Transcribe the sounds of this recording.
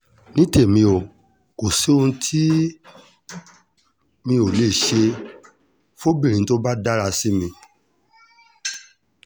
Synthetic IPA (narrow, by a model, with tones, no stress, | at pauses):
nĩ˦te˦˨mĩ˧o˨ | ko˨si˨˦ũ˧˦tʰi˦ | mĩ˧o˨le˦˨ʃe˧ | fo˦bĩ˦˨ɾĩ˨˦to˦ba˦da˦ɾa˧si˦mĩ˧